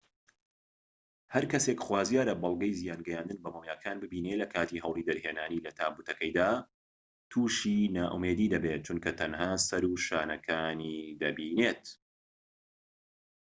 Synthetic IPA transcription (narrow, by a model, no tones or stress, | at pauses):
hɐɾkɐsekχwaːzjaːɾɐbɑlˠɡɐjzijaːnɡɐjaːnd̪ɨnbɐmowjaːkʰaːnbɨbiːnelɐkʰaːt̪iːɦɐwlid̪ɐɾheːnaːnilɐt̪ʰaːbuːt̪ʰɐkɐjd̪aː | t̪ʰuʃinaːʔumed̪iːd̪ɐbet̪̚t͡ʃʰunkʰɐt̪ʰɐnhaːsɐɾuʃaːnɐkʰaːniːd̪ɐbiːneːt̪